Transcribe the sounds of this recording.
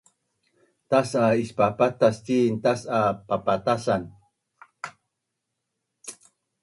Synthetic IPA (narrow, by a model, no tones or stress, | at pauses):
t̪asaispapat̪astint̪asapapat̪asan